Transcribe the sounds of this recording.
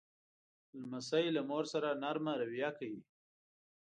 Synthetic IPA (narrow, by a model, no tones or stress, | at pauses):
lmasajlamoɾsaɾanaɾmaɾawijakawi